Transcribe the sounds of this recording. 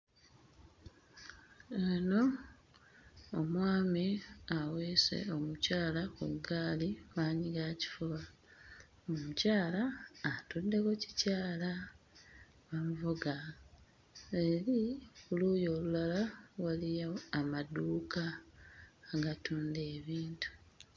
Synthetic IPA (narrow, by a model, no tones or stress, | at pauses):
eno̞ | omwaːmiaweːse̞̰o̞mucaːlakṵɡaːlimaːɲiɡaci̥fuβa | omucaːlaːtudːe̞ko̞ci̥caːla | βamuvuɡa | eɾikuluːjoːlulalawalijaamaduːkaː | ɡatuːnde̞ːβiːntu̥